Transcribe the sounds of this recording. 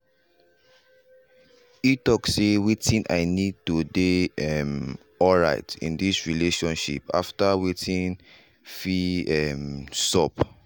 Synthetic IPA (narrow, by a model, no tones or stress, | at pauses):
itɔksewitĩnʔa̰ɪnid̚tudeɛm | ɔlɹaɪtḭ̃ndisɹileʃɔ̃nʃḭpa̰ftawetʰĩn | fiɛmsɔp